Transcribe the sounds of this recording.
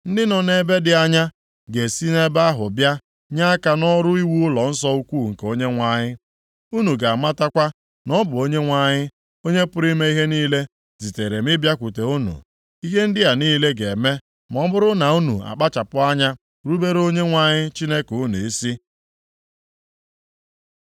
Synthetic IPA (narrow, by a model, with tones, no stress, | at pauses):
n̩˦dɪ˦nɔ˨ne˦be˦dɪ˦a˦ɲa˦ | ɡe˨si˦ne˦ba˦ɦʊ˨bja˦ | ɲa˦ka˨nɔ˦ɾʊ˦i˦wu˦ʊ˦lɔ˨n̩˦sɔ˦u˦kʷuː˦˨ŋ̩˨ko˦ɲe˦ŋʷa˦ɲɪ˦ | u˦nu˨ɡa˨a˨ma˦ta˦kʷa˦ | nɔ˦bʊ˨o˦ɲe˦ŋʷa˦ɲɪ˦ | o˦ɲe˦pʊ˦ɾi˦me˦i˦ɦe˦niː˦le˦ | zi˨te˨ɾe˨mɪ˦bja˦kʷu˨te˨u˦nṵ˨ | i˦ɦe˦n̩˦dɪ˦ja˨niː˦le˦ɡe˨me˦ | m˨ɔ˦bʊ˦ɾʊ˦na˨u˦nu˨a̰˨k͡pa˦t͡ʃa˨pʊ˦a˦ɲa˦ | ɾu˦be˦ɾo˦ɲe˦ŋʷa˦ɲɪ˦t͡ʃi˦ne˦ku˦nu˨e˦si˦